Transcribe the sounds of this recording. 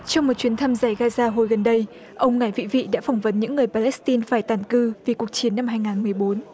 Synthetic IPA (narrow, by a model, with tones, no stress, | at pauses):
t͡ɕɔ˧wŋ͡mmo˨˩t̚t͡ɕwi˨˦ənt̪ʰa˧mza˧˩jɣaː˧zaː˧ɦo˨˩jɣə˨˩nɗə˧j | ʔə˧wŋ͡mŋa˨˧˩jvḭ˧˨vḭ˧˨ɗa̰ː˧˥fɔ˧˩wŋ͡mvə˨˦nɲɨ̰˧˥ŋːɨ˨˩əjpaː˧lɛ˦˥st̪i˧nfaː˧˩jt̪aː˧˩nkɨ˧vi˨˩ku˨˩ək̚t͡ɕi˨˦ənːa˧mhɦaː˧jŋaː˨˩nmɨ˨˩əjɓo˨˦n